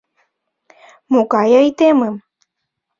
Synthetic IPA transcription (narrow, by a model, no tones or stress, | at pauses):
mukajajt̪emɨm